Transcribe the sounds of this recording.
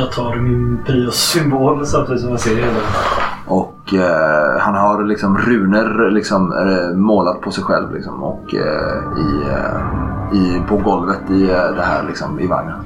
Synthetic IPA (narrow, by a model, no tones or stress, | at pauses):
jɑːt̪ʰɑːɾmɪnpʰɾiːɔʏmboːlsamt̪ʰɪiːsɔmjaseːɾɛlaa̰ | ʔɔkː | hanɦaɾlɪksɔmɾʉ̟ːnəɾlɪksɔmːoːlat̪̚pʰɔsɛjɧɛ̰lvlɪ̰ksɔ̰mɔ̰kː | ɪ | ɪpʰɔɡɔlvət̪ɪd̪ɛɦæ̰ːɾlɪksɔmɪ̰va̰ŋːən